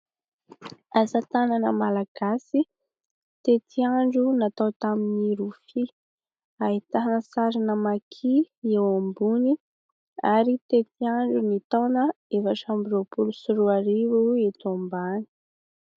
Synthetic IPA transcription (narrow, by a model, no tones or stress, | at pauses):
asat̪ananəmalaɡ̥asi | t̪et̪ʰiaɳɖ͡ʐunat̪awt̪aminiɾufi | ait̪aɦanəsaɾinəmakʰiewambuni | aɾit̪et̪iaɳɖ͡ʐunit̪ownəevaʈ͡ʂambiɾopulusuɾuaɾivuit̪ombani̥